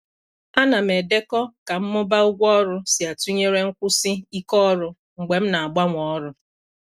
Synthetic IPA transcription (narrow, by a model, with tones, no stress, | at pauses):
a˦na˨m̩˨e˨de˦kɔ˦ka˨m̩˦mʊ˦ba˦ʊ˦ɡʷɔ˦ɔ˦ɾʊ˦si˨a˨tu˦ɲe˦ɾe˦ŋ̩˦kʷʊ˦sɪ˦i˦kɔ˦ɾʊ˦ | ŋ͡m̩˨ɡ͡be˨m̩˦na˨a˨ɡ͡ba˦ŋʷɔ˨ɔ˦ɾʊ˦